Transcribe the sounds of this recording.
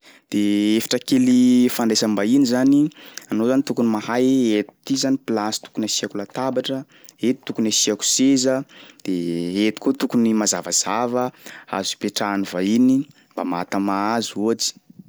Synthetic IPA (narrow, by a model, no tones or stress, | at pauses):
d̪̥eefḁʈ͡ʂəkelifaɳɖ͡ʐesəmbainizanianozanit̪ukunimahajet̪u̥t̪izanipilasi̥t̪u̥kunasiakulat̪abaʈ͡ʂə | et̪i̥t̪ukunasiaku̥sezəd̪̥eet̪i̥kot̪ukunimazavaz̥avəa̰zu̥peʈ͡ʂaːnivaini | mba̰ma̰t̪amaazuat͡si̥